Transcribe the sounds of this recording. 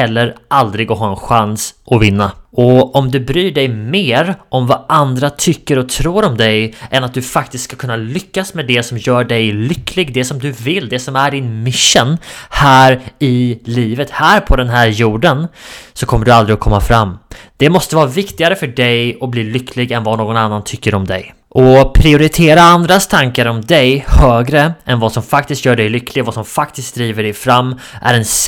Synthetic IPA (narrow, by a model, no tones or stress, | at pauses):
ɛlːəɾʔald̪ɾɪɡɔɦɑːɛnɧansʔɔvɪnːaɔɔmd̪ɵbɾyːɖɛjmeːɾɔmvaʔand̪ɾat̪ʰʏkːəɾɔt̪ʰɾuːɾɔmd̪ɛjʔɛnat̪̚d̪ɵfak̚t̪ɪst̪skakʰɵnːalʏkːasmɛd̪ɛsɔmjœːɖɛjlʏkːlɪɡd̪ɛsɔmd̪ɵvɪlːd̪ɛsɔmæɖɪnmɪʂːənhæːɾɪliːvət̪hæːɾpʰɔd̪ɛnɦæːɾjuːɖənsɔkʰɔmːəɖɵald̪ɾɪɔkʰɔmːafɾamːd̪̥ɛmɔst̪əvɑːɾavɪkt̪ɪɡaɾəfœɖɛjɔbliːlʏkʰːlɪɡɛnvanoːɡɔnanːant̪ʰʏkːəɾɔmd̪ɛ̰j | ʔɔpʰɾɪʊɾɪt̪ʰeːɾaand̪ɾast̪ʰaŋkaɾɔmd̪ɛjhøːɡɾəʔɛnvasɔmfakt̪ɪst̪jœːɖɛjlʏkʰːlɪɡvasɔmfakt̪ɪst̪̚d̪ɾiːvəɖɛjfɾamː | ʔæ̰ɾɛns